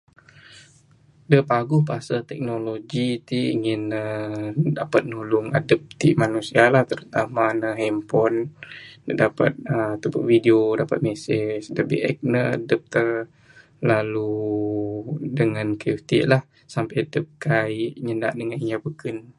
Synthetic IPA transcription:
dəpaɡʊhpəasat̪ɛk̚noloɡit̪iiŋɪnədapat̪̚nulʊŋa̰dəp̚t̪iʔmanusialaht̪əɾut̪amanəɦɛmpɔnː | ədapat̪̚ət̪upəʔvideodapat̪̚mɛsɪsdəbḭʔɛ̰k̚nəa̰dəp̚t̪ə | lalu | dəŋankiut̪iʔlah | sampajadəp̚kaiʔɲənda̰ʔdəŋaniɲabəkən

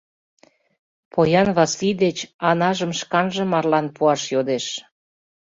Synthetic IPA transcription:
pʰojɑnβɑslid̪et͡ɕɑnɑʒəmʃkɑnʒə̆mɑrlɑnpuɑʃjod̪eʃ

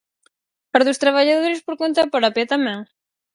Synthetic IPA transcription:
paɾðost̪ɾaβaʎaðoɾɪspoɾkont̪ɐpɾɔpjɐt̪amɛ̃ŋ

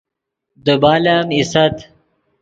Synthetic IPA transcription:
d̪ubaːlamisɐt̪

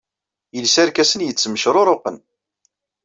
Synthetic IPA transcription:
jəlsæɾkæsənjət͡sːməʃɾˤoɾˤʊqən

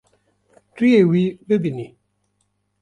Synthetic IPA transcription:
tiewibebini

